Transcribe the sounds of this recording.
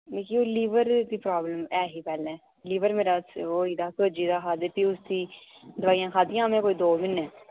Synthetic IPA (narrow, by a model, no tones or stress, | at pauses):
meːkioːliːʋəɾd̪iːpɾaːbləmɛːɦiːpɛːlɛ̃ː | liːʋəɾmeːɾaːsoːiːd̪aːkod͡ʒiːd̪aːkʰaːd̪epiːʊsd̪iːd̪əʋaːijãːkʰaːd̪ijãːmẽːkoːiːd̪oːmɪnɛː